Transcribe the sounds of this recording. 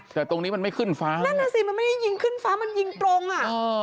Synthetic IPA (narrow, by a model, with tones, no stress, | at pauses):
t̪ɛː˨˩t̪o˧ŋniː˦˥ma˧nma˥˩jkʰɯ˥˩nfaː˦˥naː˥˩na˧˩si˨˩ma˧nma˥˩ma˥˩ji˧ŋkʰɯː˥˩˨nfaː˦˥ma˧nji˧ŋt̪ɾo˧ŋʔa˨˩ʔɤː˧